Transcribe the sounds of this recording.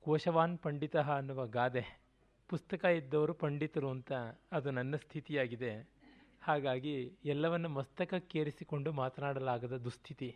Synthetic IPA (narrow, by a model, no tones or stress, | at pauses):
kɔːʃɐʋaːnpɐɳɖit̪ɐɦɐːnːuʋɐɡaːd̪e | pust̪ɐkɐid̪ːɐʋɐɾupɐɳɖit̪ɐɾuɐnt̪ɐːd̪unɐnːɐst̪ʰit̪ijaːɡid̪e̞haːɡaːɡiɛlːɐʋɐnːumɐst̪ɐkɐkeːɾisiko̞ɳɖumaːt̪ɐnaːɽɐlaːɡɐd̪ɐd̪ust̪ʰit̪i